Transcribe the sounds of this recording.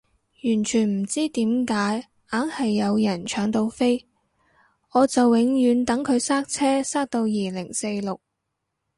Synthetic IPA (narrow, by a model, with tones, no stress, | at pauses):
jyː˨˩nt͡ʃʰyː˨˩nm̩˨˩t͡siː˥t̪iː˨˥mkaː˨˥j | ʔaː˨˥ŋhɐ˨jːɐ˨˧wjɐ˨˩nt͡ʃʰœː˨˥ŋt̪o˧wfe˥j | ʔɔː˨˧t͡sɐ˨wːɪ˨˥ŋjyː˨˧˥nt̪ɐ˨˥ŋkʰɵ˨˧ɥsaː˥k̚t͡sʰɛː˥saː˥k̚t̪o˧wjiː˨lɪ˨˩ŋse˧jlʊ˨k̚